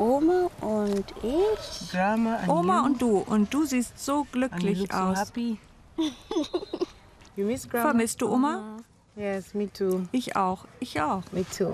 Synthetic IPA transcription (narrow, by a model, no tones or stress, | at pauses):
ʔomaʔʊndɪçɡɹamaʔoːmaʊnt̚d̥uːʔʊ̰nt̚d̥uːziːstz̥oːɡ̥lʏklɪçʔa̰ʊhsapi | jumɪsɹaffɛɐmɪstd̥uːʔoːma | jɛsmitʰuʔɪçʔa̰ʊxʔɪçʔaʊxmitʰu